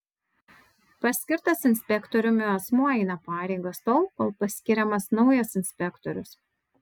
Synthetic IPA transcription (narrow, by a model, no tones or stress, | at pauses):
pɐsʲkʲɪɾt̪ɐsɪnʲsʲpʲɛkt̪ɔɾʲʊmʲɪɐsmuɔɛɪnɐpɑːɾʲɛɪɡɐst̪ɔlˠpɐlˠpɐsʲkʲɪɾʲɛmɐsnɒʊjɛsɪnʲsʲpʲɛkt̪ɔɾʲʊs